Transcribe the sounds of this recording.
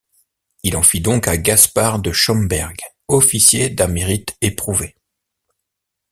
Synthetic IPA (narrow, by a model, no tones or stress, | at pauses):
ilɑ̃fid̪ɔ̃kaɡaspaʁd̪əʃɔmbɛʁɡ | ɔfisjed̪ɛ̃meʁit̪epχuve